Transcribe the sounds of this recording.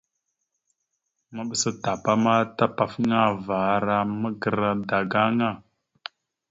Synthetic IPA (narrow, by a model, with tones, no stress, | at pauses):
ma˦ɓə˨sə˦ta˨pa˦ma˦ta˦pa˨fŋa˦va˨ɾa˦mə˦ɡə˨ɾa˨da˨ɡa˦ŋa˦˨